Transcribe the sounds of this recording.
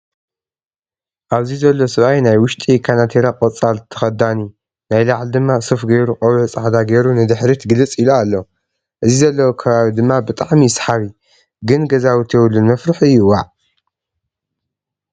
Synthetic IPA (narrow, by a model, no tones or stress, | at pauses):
ʔaβzizɐlːo̞sɨβajnajwʊʃt̪ʼikʰanat̪ʰeɾakʼɐt͡sʼalt̪ʰɐ̥xɐd̪ani | najlaʕld̪ɨmːasɨfɡejɾuqʼɐwlut͡sʼaʕd̪aɡejɾunɨd̪ɨħɾit̪ɡɨlɨt͡sʼiloalːo | ʔɨzizɐlːɐwokʰɐβaβid̪ɨmːabɨt̪ʼaʕmisħaβi | ɡɨnɡɐzawit̪ʰjɛwɨlːɨnmɐfɾɨħɨjːuwaʕ